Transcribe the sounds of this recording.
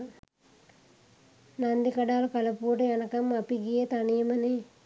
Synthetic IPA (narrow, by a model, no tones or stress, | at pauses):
nand̪ikɐɖaːlkɐlɐpuːʈɐjanɐkɐmːapiɡijet̪aniːmɐne